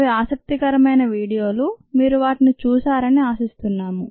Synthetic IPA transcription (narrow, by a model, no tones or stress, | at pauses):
iaːsɐk̚t̪ikɐɾɐmɐjnɐʋiːɽijo̞ːlumiːɾuʋaːʈinit͡ʃuːsaːɾɐniaːsist̪unːaːmu